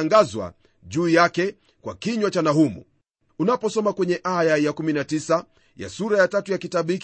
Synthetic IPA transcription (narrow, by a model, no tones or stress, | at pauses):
ŋɡazwa̰ | ʄuːjakɛ | kwa̰kiɲwat͡ʃanaɦumṵ | unapɔsɔmakwɛɲɛʔajajakuminatisa | ja̰suɾajatatujakitaɓik